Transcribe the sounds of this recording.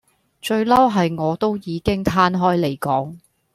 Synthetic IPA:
t͡ʃɵ˧ɥlɐ˥wɦɐ˨jŋɔː˨˧t̪o˥wjiː˨˧kɪ˥ŋt̪ʰaː˥nɦɔː˥jle˨˩jkɔː˨˥ŋ

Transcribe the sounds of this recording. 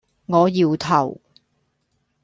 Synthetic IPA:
ŋɔː˨˧jiː˧wt̪ʰɐ˨˩w

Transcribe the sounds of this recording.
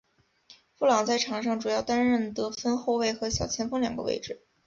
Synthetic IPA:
fu˥˩lɑ˨˩ŋt͡sa˥˩ɪʈ͡ʂʰɑ˨˧˥ŋʂɑ˥˩ŋʈ͡ʂu˨˩jɑ˥˩ʊt̪a˥nɻə˥˩nt̪ɤ˧˥fə˥nxo˥˧ʊwe˥˩ɪxɤ˧˥ɕjɑ˨˩ʊt͡ɕʰjɛ˧˥nfɤ˥ŋljɑ˨˩ŋɡə̰˧wḛ˥˧ɪʈ͡ʂɻ̩˥˩

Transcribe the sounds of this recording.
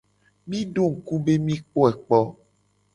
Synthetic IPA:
mĩ˦ɖo˦ŋ̩˨ku˦be˦mĩ˦k͡po˦ɛ˨k͡pɔ˦

